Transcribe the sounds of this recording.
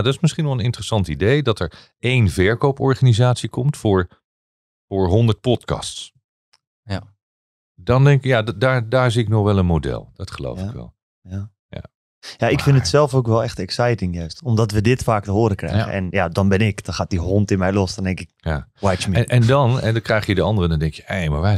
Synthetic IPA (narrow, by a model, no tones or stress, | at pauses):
dɔtɪsmɪsχinʋɛlˠənɪntrəsɑntidejdɑtɛɹ | ejnvɛɹkowpɔɹχaːnizaːtsikɔmtfʊːɹ | fʊːɹɦɔndəɹt̚pɔtkɑ̰sts | dɑndɛŋkɪkjaddaːɹdaːɹziɪknɔχʋɛlˠənmodɛ̰lˠd̥ɑtχəlo̰wfɪkʋɛ̰lˠ | ja | ja̰ | jaʔɪkfɪnətsɛlˠfokʋɛlˠɛxtɛksɛjtɪŋjœɥstɔmdɔtʋədɪtfaːk̚təɦoːɾəkrɛ̰jɣə̰ʔɛ̰njadɔnbɪnɪkd̥ɔnχaːt̚diɦɔntɪnmɛjlɔsdɔndɛŋkɪk̚jawajt͡ʃmiɛndɑnɛdkrɛjχjədəɑndərədɔndɛŋkjəejmaɹʋaː